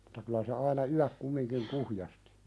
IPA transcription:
m̥u̥tɑ kylæ se ɑinɑ yæk kumːiŋkiŋ kuhjɑsti̥

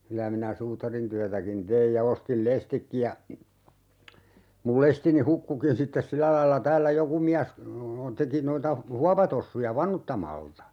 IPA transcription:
kylæ minæ suːtɑrintyætækin teij jɑ ostil lestikːi jɑ mul lestini hukːukin sitːes silæ lɑilːɑ tæːlːæ joku miæs teki noitɑ huɑpɑtosːujɑ ʋɑnutːɑmɑltɑ

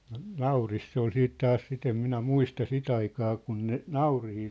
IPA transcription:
no nɑurist se ol siːt tɑːs sit em minæ muistɑ sit ɑikɑː kun ne nɑurihiː

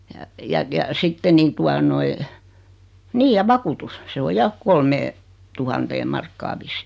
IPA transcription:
jɑ jɑ jɑ sitːe niː tuɑ noi niːj jɑ ʋɑkutus se o jɑ kolmeː tuhɑnteːm̆ mɑrkːɑː ʋisːi̥

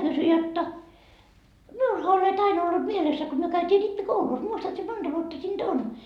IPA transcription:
kysy jotːɑ miulhɑ olet ɑinɑ olːut mielesːæ ko myø kæytiː ripːikoulus muistɑt si mond̥ɑ ʋuotːɑ siːnd̥ on

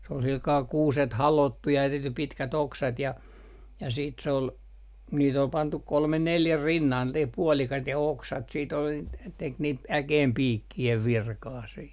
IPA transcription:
s ol silkɑː kuːset hɑloˑtːu jɑ tehty pitkæt oksɑt jɑ jɑ siːt sĕ ol niːt ol pɑntuk kolme neljæ rinːɑlt niːt puɔlikɑit jɑ oksɑt siːt ol n tek niːt ækeːmpiːkːieʋ ʋirkɑː siː

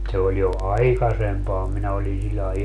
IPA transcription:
se oj jo ɑiksempɑː minæ oli silʲlɑe

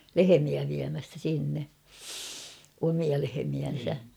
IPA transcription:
lehemiæ ʋiæmæstæ sinːe omiɑ lehemiæn̞sæ

